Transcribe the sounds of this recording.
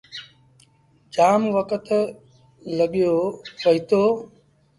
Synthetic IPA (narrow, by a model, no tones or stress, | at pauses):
d͡ʒaːmʋəkət̪ʰ | ləɠjoːʋəɦit̪oː